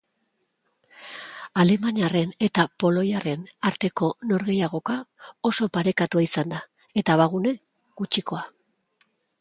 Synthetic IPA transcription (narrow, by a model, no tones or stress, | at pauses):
ale̞maniare̞ne̞t̪apo̞lo̞jare̞naɾt̪e̞ko̞no̞ɾɣe̞jaɣ̞o̞kao̞so̞paɾe̞kat̪uaisand̪a | e̞t̪aβaɣ̞une̞ | ɡ̥ut͡ʃiko̞a